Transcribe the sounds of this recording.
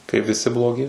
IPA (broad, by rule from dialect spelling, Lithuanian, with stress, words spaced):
kɐɪp ʋʲɪˈsʲɪ blˠoːˈɡʲɪ